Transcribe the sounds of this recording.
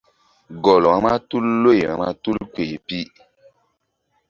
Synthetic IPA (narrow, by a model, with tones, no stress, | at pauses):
ɡɔ˨lɔ˨a˦ma˦tu˦lːo˦ja̰˨ma˦tu˦lkwe˨pi˦